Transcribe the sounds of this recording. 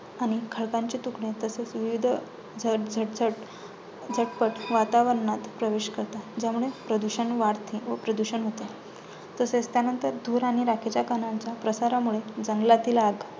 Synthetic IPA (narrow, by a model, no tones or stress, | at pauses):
aɽ̃ikʰəɭkãɲt͡ɕit̪ukɳet̪əset͡sʋiʋid̪ʱ | d͡zəd͡zʱəʈd͡zəʈ | d͡zʱəʈpəʈʋat̪aʋəɾɳat̪pɾəʋeɕkəɾt̪ad͡ʑamuɭepɾəd̪uɕənʋaɾt̪ʰĩʋəpɾəd̪uɕənɦot̪e | t̪əset͡st̪janənt̪əɾd̪uːɾaɽ̃iɾakʰet͡ɕjakənaɲt͡ɕjapɾəsaɾamuɭed͡zəŋɡlat̪iːlaɡ